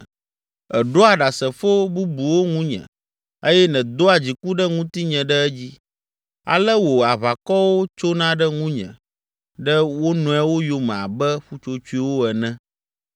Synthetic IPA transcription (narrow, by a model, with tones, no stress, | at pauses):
ɛ˨ɖo˦a˨ɖa˨sɛ˨fo˦bu˦bu˨wo˦ŋũ˦ɲɛ̰̃˨ | ə˦jɛ˦nɛ̃˨d̪o˦a˨d͡ʑi˨ku˦ɖɛ˦ŋũ˦t̪i˦ɲɛ̃˨ɖɛ˦ɛ˦d͡ʑi˦ | a̰˨lɛ˦wo˨a˨βa˨kɔ˦wo˦t͡ʃo˦nã˦ɖɛ˦ŋũ˦ɲɛ̰̃˨ | ɖɛ˦wo˦nɔ̃˨˦ɛ˦wo˦jo˨mɛ̃˨a̰˨bɛ˦ɸu˦t͡ʃo˦t͡ʃu˦i˦wo˦ɛ˨nɛ̃˦